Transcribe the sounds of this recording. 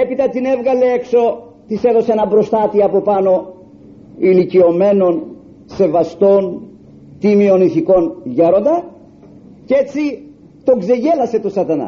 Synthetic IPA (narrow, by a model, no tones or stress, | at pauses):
e̞pit̪ɐt̪ine̞vɣɐle̞ekso̞ | t̪ise̞ðo̞seenɐbɾo̞st̪ɐt̪iɐpo̞pɐno̞ | ilicio̞me̞no̞n | se̞vɐst̪o̞n | t̪imio̞niθiko̞nʝeɾo̞nd̪ɐ | ce̞t͡si | t̪o̞ɡze̞ʝe̞lɐse̞t̪o̞sɐt̪ɐnɐ̰